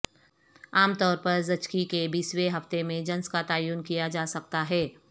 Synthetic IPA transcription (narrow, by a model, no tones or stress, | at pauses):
aːmt̪ɔːɾpɐɾzɐt͡ʃkikebiːsweɦɐft̪emẽd͡ʒɐ̃nskat̪aːjuːnkijad͡ʒaːsɐk̚t̪aɦɛː